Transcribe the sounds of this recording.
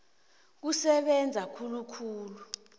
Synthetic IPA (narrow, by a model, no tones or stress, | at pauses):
k̬usɛɓɛnd͡zʱakʰulukʰuːlu